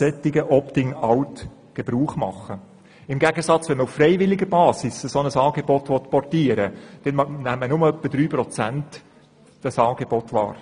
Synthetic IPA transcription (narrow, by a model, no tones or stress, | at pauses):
ɛt̪ɪɡəʔɔptɪŋɑwt | ɡ̥eb̥ɾuːχmɑ̰χə | ɪmɡæɡəsɑt͡sʋɛnməufːrɛɪvɪlɪɡəɾbɑːsɪsəsɔnəsɑːɡebɔt̪ʋɔt̪pɔrtiːəɾəd̥ɛnmnæmːənʊməœpːəd̥ɾyːpɾɔt͡sænt | d̥ɑsɑːɡ̥eb̥ɔt̪ʋɑ̰ːɾ